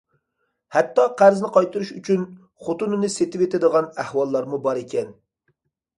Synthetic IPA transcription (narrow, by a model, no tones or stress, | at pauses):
hɛt̪ːɑqʰæɾznɪqʰɑjt̪ɨɾuʃyt͡ʃʰyn | χot̪unɨnɪset̪ɪwet̪ɪd̪əʁɑnæhwɑlˠːɑɾmubɑɾekʲɛn